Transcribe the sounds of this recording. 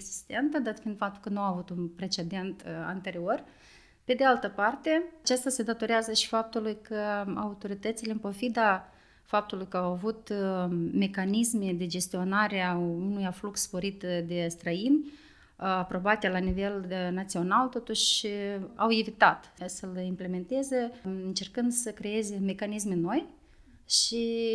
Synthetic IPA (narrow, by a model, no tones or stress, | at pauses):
eɡzist̪e̞nt̪əd̪at̪find̪fap̚t̪ulkənuaavut̪unpɾe̞t͡ʃe̞d̪e̞nt̪a̰nt̪e̞ɾio̞r | pe̞d̪ealt̪əpart̪e̞at͡ʃast̪ase̞d̪at̪o̞ɾeazəʃi̥fap̚t̪ulujkʰəaut̪o̞ɾit̪ət̪sileɨmpo̞fid̪a | fap̚t̪ulujkəawavut̪ | me̞kanisme̞d̪e̞d͡ʒe̞st̪io̞naɾeaunujaflukssːpo̞ɾit̪d̪e̞st̪ɾəin | apɾo̞bat̪ʲelanive̞lnat̪sio̞nalt̪o̞t̪uʃ | a̰wevit̪at̪səlimple̞me̞nt̪ezəɨnt͡ʃe̞rkɨnd̪səkɾe̞je̞zeme̞kanismeno̞j | ʃi